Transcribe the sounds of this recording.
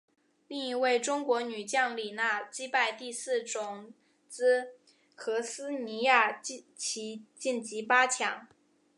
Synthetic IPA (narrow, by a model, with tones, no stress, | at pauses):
li˥˩ŋi˧˥we˥˩ɪʈ͡ʂʊ˥ŋkwɔ˧˥ny˨˩t͡ɕjɑ˥˩ŋli˨˩na˥˩t͡ɕi˥pa˥˧ɪt̪i˥˧sɹ̩˥˩ʈ͡ʂʊ˨˩ŋ | t͡sɹ̩˥ | xɤ˧˥sɹ̩˥ni˧˥ja˥˩ | t͡ɕʰi˧˥t͡ɕi˥˩nt͡ɕi˧˥pa˥t͡ɕʰjɑ˧˩˥ŋ